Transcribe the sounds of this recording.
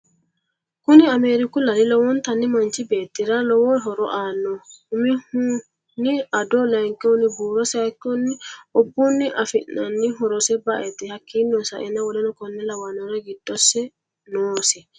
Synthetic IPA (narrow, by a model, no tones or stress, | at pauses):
kuniameɾikulalilawɔnt̪anːimant͡ʃibeːt̪ːiɾalɔwɔɦɔɾɔʔanːɔhumihu | niadɔlaŋkɛɔnibuɾɔsakːɔnːiɔbːunːiʔafinːanːiɦɔɾɔsɛbaʔɛt̪ɛhakːinɔnsaʔɛnawɔlɛnɔkɔnːɛlawanɔɾaɡidːɔsːɛ | nɔːsɛ